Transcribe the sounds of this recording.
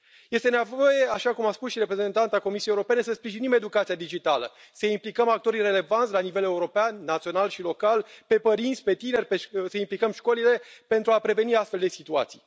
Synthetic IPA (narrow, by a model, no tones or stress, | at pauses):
je̞st̪enevo̞je̞aʃakumaspusʃiɾe̞pɾe̞ze̞nt̪ant̪ako̞misijejeuɾope̞ne̞səspɾiʒinime̞d̪ukat̪siad̪id͡ʒit̪alə̰ | səimplikəmak̚t̪o̞ɾire̞le̞vant̪ʲlanive̞le̞uɾo̞peanːat̪sio̞nalʃilo̞kalpe̞pəɾint̪sʲpe̞t̪ine̞rʲpesəimplikəmʃko̞lile̞pe̞nt̪ɾuapɾe̞ve̞niast̪feld̪e̞sit̪ua̰t̪si̥j